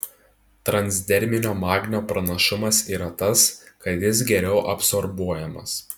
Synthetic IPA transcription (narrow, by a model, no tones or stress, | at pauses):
t̪ɾɐnʲzʲd̪ʲɛɾʲmʲɪnʲoːmɑːɡʲnʲoːpɾɐnɐʃɪmɐsiːɾɐt̪ɐskɐt̪jɪs̬ɡʲɛɾʲɛʊʔɐpsɔɾbuɔjɛmɐ̰s